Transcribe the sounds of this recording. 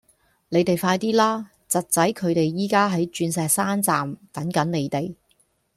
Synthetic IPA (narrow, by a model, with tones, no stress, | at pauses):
ne˨˧jt̪e˨jfaː˧jt̪iː˥laː˥ | t͡sɐ˨t̚t͡sɐ˨˥jkʰɵ˨˧ɥt̪e˨jːiː˨˥kaː˥ɦɐ˨˥jt͡ʃyː˧nsɛː˨k̚saː˥nt͡saː˨mt̪ɐ˨˥ŋkɐ˨˥nne˨˧jt̪e˨j